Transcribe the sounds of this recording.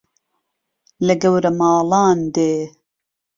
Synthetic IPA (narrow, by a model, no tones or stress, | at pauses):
lɐɡɐwɾɐmɑːlɑːnd̪eː